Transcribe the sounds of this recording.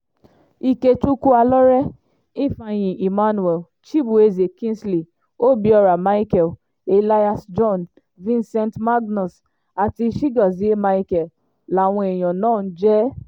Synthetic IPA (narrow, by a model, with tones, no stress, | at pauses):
i˦˨ke˧tu˦ku˦a˧lɔ˦ɾɛ˦ | i˦˨fã˧j̃ĩ˨ʔi˨ma˦nu˨ɛ˨l | t͡ʃi˦bu˨e˧ze˨kĩ˦nsli˨ | o˦bi˧ɔ˧ɾa˨ma˦i˦kɛ˨l | e˨la˧ja˧sd͡ʒɔ̃˦˨n | vĩ˦nsɛ̃˧ntma˦ɡnɔ˨s | a˨ti˧˦ʃi˦ɡɔ˨zi˨˦ma˧i˦kɛ˨l | la˨w̃ɔ̃˧e˨j̃ɔ̃˨nãː˦˨n̩˦d͡ʒɛ˦